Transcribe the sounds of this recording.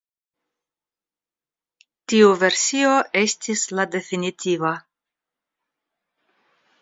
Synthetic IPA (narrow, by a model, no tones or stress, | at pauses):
tiuve̞ɾsio̞ʔestʰislade̞finit̪iva